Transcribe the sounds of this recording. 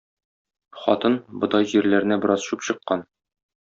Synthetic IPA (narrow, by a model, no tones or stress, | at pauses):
χɒ̰t̪ɤnbɤ̆d̪ɑjʑiɾlæɾɘ̆næbɤ̆ɾʔɑzɕupɕɤ̆qːɑn